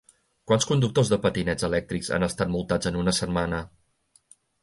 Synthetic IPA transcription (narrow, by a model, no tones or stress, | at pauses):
kwanskund̪uk̚t̪ozðəpət̪inɛd͡zəlɛk̚t̪ɾikza̰nəst̪at̪̚mulˠt̪ad͡zənunəsət̪manə